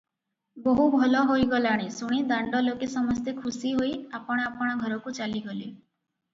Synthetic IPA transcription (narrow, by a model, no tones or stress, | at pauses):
bɔɦubʱɔlɔɦojɡɔlaɽ̃isuɽ̃id̪aɳɖɔlokesɔmɔst̪ekʰusiɦojapɔɽ̃ɔapɔɽ̃ɔɡʱɔɾɔkut͡ʃaliɡɔli